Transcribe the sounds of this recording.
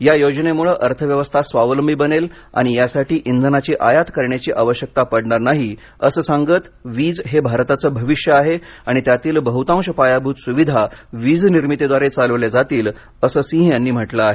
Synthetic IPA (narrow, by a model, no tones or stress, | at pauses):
jajod͡ʑnemuɭəʔəɾt̪ʰəʋjəʋəst̪ʰasʋaʋləmbʱibənel | a̰ɽ̃ijasaʈiːʔind̪ʱənat͡ɕiʔajat̪kəɾɳjat͡ɕiːʔaʋəɕjək̚t̪apəɽɳaɾnaɦi | əsəːsãŋɡət̪ | ʋiːd͡zɦebʱaɾt̪at͡səːbʱəʋiʂjəaɦeaɽ̃it̪jat̪iːlbəɦut̪ãwʂəpajabʱuːt̪suʋid̪ʱaʋid͡zniɾmit̪ed̪ʋaɾet͡saləʋljad͡zat̪iːl | əsəːsĩɦjanːiːm̤əʈləaɦe